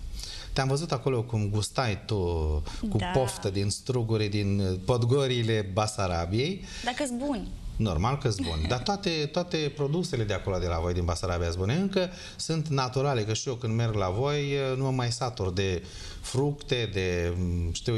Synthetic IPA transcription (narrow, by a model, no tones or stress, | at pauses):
t̪eamvəzut̪ako̞lo̞kumɡust̪ajt̪ukupo̞ft̪əd̪inst̪ɾuɡuɾid̪inpod̪ɡo̞ɾiːle̞basaɾabije̞j | d̪akəsbunʲno̞̰rmalkəsbṵnʲd̪at̪oat̪e̞t̪oat̪e̞pɾo̞d̪use̞le̞d̪eako̞lod̪e̞lavo̞jd̪inbasaɾabiasbuneɨŋkə | sunt̪nat̪uɾale̞kəʃiokɨnd̪me̞rɡlavo̞jnuamːajsat̪ord̪e̞ | fɾukt̪e̞d̪e̞ʃt̪iw